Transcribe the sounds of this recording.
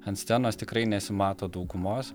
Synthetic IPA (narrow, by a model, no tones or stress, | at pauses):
ɐnt̪sʲt̪ʲɛnoːst̪ʲɪkɾɐɪnʲɛsʲɪmɑːt̪oːd̪uːɡʊmoːs